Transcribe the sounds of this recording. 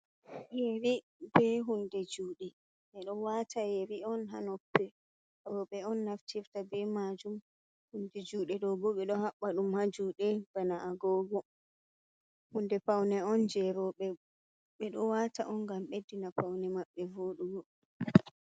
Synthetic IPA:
jewi | bɛɦundɛd͡ʒuːɗɛ | ɓɛɗɔwatʰajewiɔnɦanɔpːɛ | ɾɔɓɛɔnːaftʰiftabɛmad͡ʒum | hundɛd͡ʒuːɗɛɗɔbɔɓɛɗɔhaɓːaɗumhad͡ʒuːɗɛb̥anaaɡɔɡɔ | hundɛpawnɛɔnd͡ʒɛɾɔɓɛ | ɓɛɗɔwataʔɔnɡamɓedːinapawnɛmaɓːɛvoɗuɡɔ

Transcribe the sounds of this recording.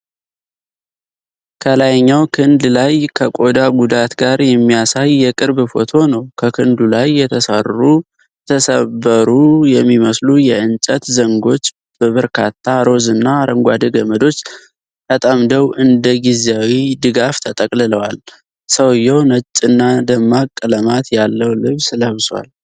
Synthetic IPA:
kʰəlajɲːawkʰɨnd̪lajkʰəkʼo̞d̪aɡud̪at̪ɡaɾjɛmːijasajːɛkʼɨɾbfo̞t̪ʰo̞nəwkʰəkʰɨnd̪ulajːɛt̪ʰəsərːu | t̪ʰəsəβəɾujɛmːiməslujɛɨnt͡ʃʼət̪zəŋɡo̞t͡ʃː | b̥əβəɾkʰat̪ʰːaɾo̞zɨnːaɾəŋɡʷad̪əɡəməd̪o̞t͡ʃː | t̪ət̪ʼamd̪əwʔɨnd̪əɡizawid̪ɨɡaft̪ʰət̪ʼəkʼlɨləwal | səwjːɛwnət͡ʃʼːɨnːad̪əmːakʼːɨləmat̪jalːəwlɨβsɨləβswa̰l

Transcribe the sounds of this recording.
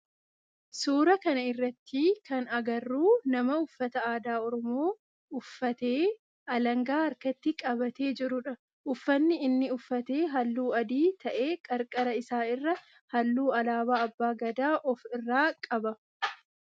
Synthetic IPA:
suːɾɐkɐnɐɪrːɐt̪ːikɐnɐɡɐrːuːnɐmɐʊfːɐt̪ɐaːd̪aːɔɾɔmoː | ʊfːɐt̪e̞ː | ɐlɐŋɡaːɐɾkɐt̪ːɪkʼɐbɐt̪e̞ːd͡ʒɪɾʊᶑɐ | ʔʊfːɐnːɪɪnːɪʊfːɐt̪e̞ːɦɐlːuːɐd̪iːt̪ʰɐʔe̞ːkʼɐɾkʼɐɾɐɪsaːɪrːɐ | hɐlːuːɐlaːbaːɐbːaːɡɐd̪aːʔɔfɪrːaːkʼɐbɐ

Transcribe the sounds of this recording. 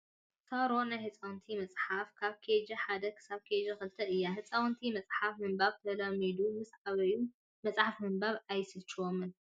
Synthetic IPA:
sʰaɾonajhɨt͡sʼawnt̪ʰimɐt͡sʼħafkʰaβkʰed͡ʒɐħad̪ɐkʰɨ̥saβkʰed͡ʒɐxɨlt̪ʰɐɨjːaɦɨt͡sʼawnt̪ʰimɐt͡sʼħafmɨmbaβt̪ʰɐlɐmid̪umɨsʕaβɐju | mɐt͡sʼħafmɨmbaβajsɨt͡ʃːɨwomɨn

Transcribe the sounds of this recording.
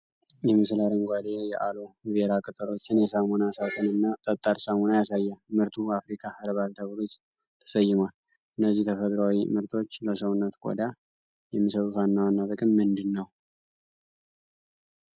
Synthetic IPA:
jɛmɨslaɾəŋɡʷad̪e̞jɛʔaloβeɾakʼɨt̪ʼɨlo̞t͡ʃːɪnjɛsamonasat̪ʰɨnɨnːat̪ʼət̪ʼːaɾsamonajasajːamɨɾt̪ʰuafɾikʰahəɾβalt̪ʰəβɾut̪ | t̪ʰə̥səjːɪmal | ʔɨnːəzːiht̪ʰəfəd̪ɾawimɨɾt̪ʰo̞t͡ʃːləsəwʊnːət̪kʼo̰d̪a | jɛmːisəβɨfanːawanːaβɨkʼɨmːɨnd̪ɨnːəw

